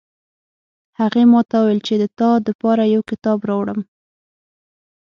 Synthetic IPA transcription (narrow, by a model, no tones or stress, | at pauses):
haɣemɑt̪awwelt͡ʃed̪ət̪ɑd̪əpɑɾajawkɪt̪ɑbɾɑwɽəm